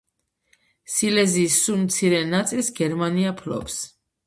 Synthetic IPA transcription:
silɛziːsːumt̪sʰiɾɛnat̪sʼilsɡɛɾmaniapʰlɔ̰ps

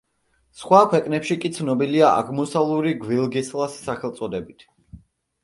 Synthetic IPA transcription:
sχwakʰwɛkʼnɛpʃikʼit̪sʰnɔbiliaʔa̰ɡmusalˠuɾiɡvilˠɡislˠasːaχɛlˠt̪sʼɔd̪ɛbit̪ʰ

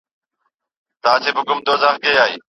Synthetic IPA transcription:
t̪aːt͡ʃʰeːbʊkʊmd̪oːzaːxkeːaːḭː

